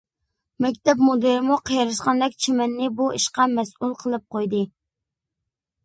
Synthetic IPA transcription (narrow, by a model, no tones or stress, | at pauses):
mɛk̬ʲt̪ɛp̚mod̪ɨɾɪmuqʰəjɑɾɨʃqɑnd̪ɛkʲt͡ʃʰimɛnːɪbuiʃqɑmɛsʔulˠqʰəlˠɨp̚qʰojd̪ɨ